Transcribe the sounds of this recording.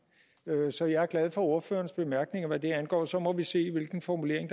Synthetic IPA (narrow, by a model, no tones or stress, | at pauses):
øsɒ̽jɑ̈æɐɡ̥læð̞ˠfɒ̽o̝ɐfø̰ːɐnsb̥e̝mæɐɡ̥ne̝ŋɐʋæd̥e̝ænɡ̥ɒ̰ːsɒ̽mɒ̽ʋise̝̰ːʋe̝lɡ̥n̩fɒmule̝̰ɐeŋd̥